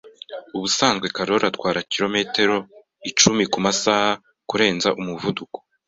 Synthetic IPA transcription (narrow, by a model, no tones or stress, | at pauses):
uβusaːnzɡwe̞kaɾo̞ɾatwaːɾakiɾo̞me̞te̞ɾo̞ | it͡ʃumikumasaːha | kuɾe̞ːnzaʔumuvuduko̥